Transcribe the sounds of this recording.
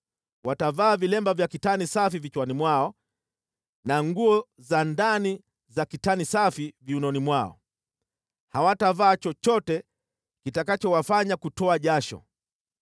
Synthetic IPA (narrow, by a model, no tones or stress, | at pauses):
watavaːvilɛmbavjakitanisafivit͡ʃwanimwaɔ | naŋɡuɔzandani | zakitanisafiviunɔnimwaɔ̰ | hawatavaːt͡ʃɔt͡ʃɔtɛ | kitakat͡ʃɔwafaɲakutɔaʄaʃɔ̰